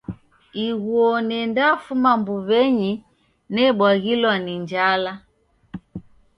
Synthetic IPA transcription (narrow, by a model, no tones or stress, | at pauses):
iɣwɔnɛndafumambuβɛɲi | nɛɓwaɣilwaniɲd͡ʒala